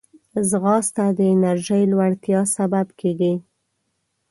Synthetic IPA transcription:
zɣɑst̪ad̪əɪnaɾʒəjlwaɽt̪jɑsababkʰeɡi

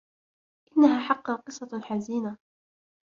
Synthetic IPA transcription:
ʔɪnːaɦaːħɑqːɑqɨsˤːɑħaziːna

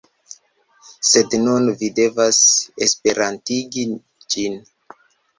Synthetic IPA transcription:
se̞dnunvide̞vasespe̞ɾantiɡi | d͡ʒin

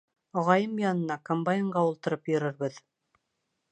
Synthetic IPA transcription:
ɑʁɑjɤmjɑnɤ̆nɑkombajɤɴɢɑulˠt̪ɤ̆ɾɤpjɵ̆ɾɘ̆ɾbɘð

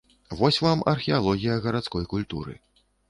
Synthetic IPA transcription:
vɔsʲvamɐrxʲɛalˠɔɣʲijɐɣɐɾat̪skɔjkulʲt̪ṵɾɨ̰

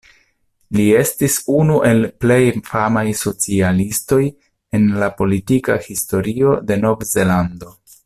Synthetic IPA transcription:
lie̞stisunuʔe̞lple̞jfamajso̞t͡sialisto̞j | e̞nlapo̞litikahisto̞ɾio̞de̞no̞vze̞lando̞

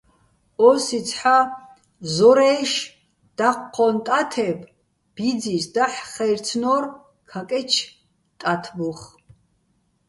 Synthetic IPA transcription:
ɔsit͡sʰħa | zɔɾɛʃ | d̪̥aqʷqʰːɔnt̪ʼat̪ʰɛbʰ | b̥id͡zisd̪aħχɛjrt͡sʰnɔr | kʰakʼɛt͡ʃʰ | t̪ʼat̪ʰbuχ

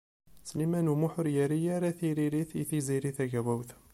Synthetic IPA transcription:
slimænumuħʊɾjæɾijaɾæθiɾiɾiθθiziɾiθæʝæwæwθ

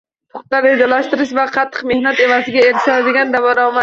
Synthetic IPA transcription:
t̪ʰʊχt̪ːaɾed̪alaʃt̪ɪɾɪʃvaqʰɑt̪ʰːɨ̥qme̞hnat̪e̞vasɪɡʲaeɾʃalad̪ɪɡʲand̪avɒɾɒma

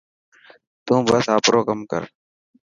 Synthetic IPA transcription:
t̪ũːbəsaːpɾʔoːkəmkə̰ɾ

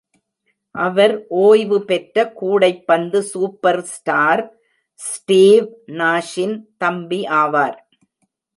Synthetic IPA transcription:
ʔɐʋɐɾʔoːjʋɯpɛʈɾɐkuːɽɐɪpːɐnd̪ɯsuːpːɐɾsʈaːɾ | sʈiːʋnaːʂɪnt̪ɐmbiʔaːʋaːɾ

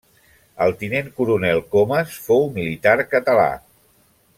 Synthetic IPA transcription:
əlˠt̪ineŋkuɾunɛlˠkoməsfowmilit̪aɾkət̪əla̰

